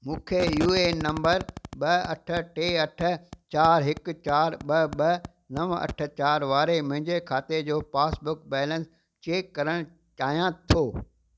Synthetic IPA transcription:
mũːkʰejuːenɐ̃mbəɾɓɐɐʈʰə̆ʈeːɐʈʰə̆t͡ɕaːɾɦɪkt͡ɕaːɾɓɐɓɐ | nɐʋɐ̰ʈʰə̆t͡ɕaːɾʋaːɾemʊ̃ɦɪ̃ɲd͡ʑekʰaːt̪ed͡ʑoːpaːsbʊkbɛːlə̃ns | t͡ɕeːkːɐɾəɽ̃ | t͡ɕaːɦijãt̪ʰoː

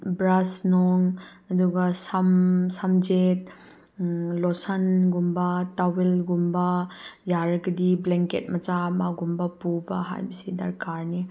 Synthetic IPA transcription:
bɾasnɔŋ | ɐduɡɐsamsamd͡ʒet̚ | lɔsɐnɡumbɐtawelɡumbɐjaɾɐɡɐdibleŋket̚mɐt͡ʃamaɡumbɐpubaɦa̰jbɐsidɐɾkaɾni

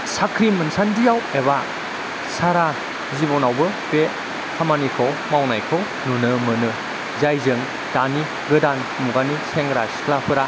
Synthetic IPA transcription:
sakʰɾimɯnsandijaweβa | saɾa | zibɔnawbɯb̥e | hʰamanikʰowmawnajkʰow | nunɯmɯnɯ | zajzɯŋ | d̥ani | ɡɯdan | muɡaniseŋɾaskʰlapʰɯɾa

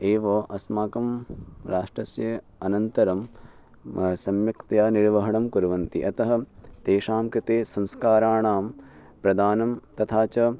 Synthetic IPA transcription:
eːʋɐʔɐsmaːkɐmɾaːʂʈɾɐsjɐ | ɐnɐnt̪ɐɾɐm | sɐmjɐkt̪jaːniɾʋɐɦɐɳɐmkuɾɐʋɐnt̪ḭʔɐt̪ɐɦɐ̆t̪eːʃaːmkɾɪt̪eːsɐ̃nskaːɾaːɳaːm | pɾɐd̪aːnɐmt̪ɐt̪ʰaːt͡ʃɐ

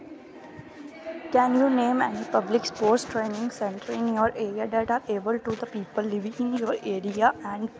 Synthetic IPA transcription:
kɛ̃njuːnẽːmɛnipʌblɪkspoːɾsʈɾẽːnɪ̃ŋɡsɛ̃ɳʈəɾɪ̃njoːɾeːɾiad̪æʈaːɾeːbəlʈud̪əpiːpəlːɪʋɪ̃ɪ̃njoːɾeːɾiaæ̃ɳɖ

